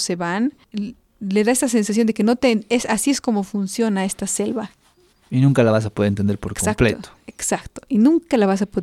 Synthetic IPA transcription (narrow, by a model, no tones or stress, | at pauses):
se̞βan | le̞ðae̞st̪as̬e̞nsas̬jo̞nd̪e̞ke̞no̞t̪eesasie̞sko̞mo̞funsjo̞nae̞st̪ase̞lβa | inũŋkalaβas̬apoðeent̪e̞nd̪eɾpoɾkakpl̰t̪oeksakt̪o̥ʔinũŋkalaβas̬apo